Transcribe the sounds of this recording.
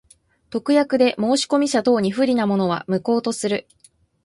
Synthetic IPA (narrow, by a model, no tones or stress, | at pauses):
t̪o̞kɯ̟jakɯ̟d̪e̞mo̞ːɕi̥ko̞mʲiɕat̪o̞ːɲ̟iɸɯ̟ɾʲinamo̞no̞β̞a̰mɯ̟ko̞ːt̪o̞sɨɾɯ̟